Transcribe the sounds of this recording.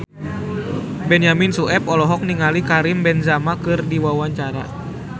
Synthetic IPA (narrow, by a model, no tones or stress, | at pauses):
bɛnjaminsuɛp̚ɔlɔɦɔk̚niŋalikaɾimbɛnzamakɨrdiwawaɲt͡ʃaɾa